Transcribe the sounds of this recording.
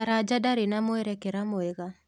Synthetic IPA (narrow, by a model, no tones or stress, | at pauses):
aɾad͡ʒadaɾenamoɛɾɛkɛɾamoɛɣa